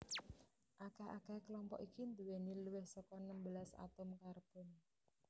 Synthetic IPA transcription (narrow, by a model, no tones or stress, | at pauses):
ʔakaha̰kɛhklɔmpɔ̰ʔikind̪uweniluwɪhsɔkɔnəmbəlasa̰t̪ʊmkarb̥ʊn